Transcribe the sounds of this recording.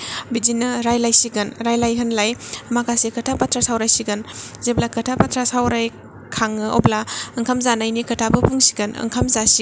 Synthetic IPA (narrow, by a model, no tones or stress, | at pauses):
bid͡ʒinɯɾajlajsiɡɯnɾajlajɦɯnlajmakasekɐtʰapatʰɾasawɾajsiɡɯnzeblakɐtʰapatʰɾasawɾaj | kʰaŋɯo̰blaɐŋkʰamzanajnikɐtʰabɯpʰuŋsiɡɐnɐ̰ŋkʰamzasi